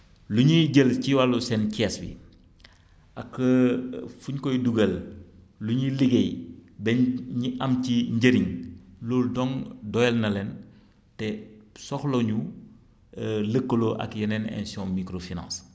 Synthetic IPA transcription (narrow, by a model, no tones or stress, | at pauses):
luɲiɟəlciwalusɛnciɛsbḭ | ɐkː | fuɲkɔjduɡəl | luɲiliɡejbɛɲiʔɐmciɲɟəɾiŋloːldɔŋdɔjɛlnɐlɛn | tɛsɔxloɲu | ləkːəloʔɐ̰kjɐnɛnɛ̰nsiɔ̃mikɾofinã̰ːs